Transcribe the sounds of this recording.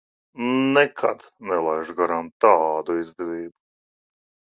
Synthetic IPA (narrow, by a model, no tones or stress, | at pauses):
nɛkʰa̰d̪nɛlˠajʒɡaɾant̪aːd̪uizd̪ɛviːbu